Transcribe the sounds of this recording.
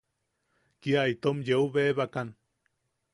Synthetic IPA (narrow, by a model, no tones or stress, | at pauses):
kiait̪omjeuβeβakan